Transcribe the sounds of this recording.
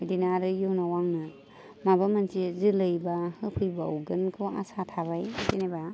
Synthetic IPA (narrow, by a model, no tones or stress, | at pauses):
dinaɾɯjuwnawaŋnɯ | mabamant͡ʃizɯlɯjbahɯpʰɯjbaoɡɯnkʰɯwa̰satʰaβajzeneba